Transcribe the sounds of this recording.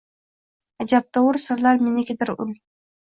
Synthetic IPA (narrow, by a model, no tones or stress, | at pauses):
ad͡ʒap̚t̪ʰowəɾsɪɾlaɾmenekʲɪd̪ɪɾʊ̰lʲ